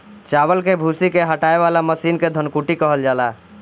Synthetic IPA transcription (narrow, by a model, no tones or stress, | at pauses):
t͡ʃabəlkebʱusikeɦəʈaebalaməsinked̪ʱənkuʈikəɦəld͡ʒala